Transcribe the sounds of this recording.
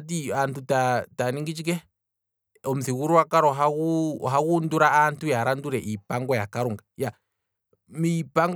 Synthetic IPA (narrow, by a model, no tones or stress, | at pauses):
t̬iantutataniŋɡit͡ʃik̬ɛ | ɔm̩siɣuɾuwakaɾɔɦaɣuɦaɣunduɾaantujaɾanduɾɛʔipaŋɡɔjakaɾuŋɡaja | mipaŋɡ